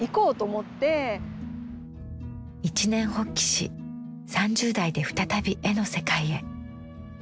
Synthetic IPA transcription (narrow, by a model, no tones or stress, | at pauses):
iko̞ːt̪oːmot̪ːe̞ | it͡ɕinẽ̞ɰ̃ho̞kʲːi̥ɕḭ | sãɲd͡ʑɨːd̪aid̪e̞ɸɯ̟̥t̪at̪abʲiʔe̞no̞se̞kaie̞